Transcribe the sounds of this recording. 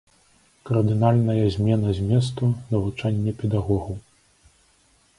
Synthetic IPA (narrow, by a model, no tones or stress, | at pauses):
kɐrd̪ɨnalʲnɐjɐzʲmʲɛnɐzʲmʲɛs̬t̪unɐvut͡ʂanʲːɐpʲɛd̪aɣɔɣɐ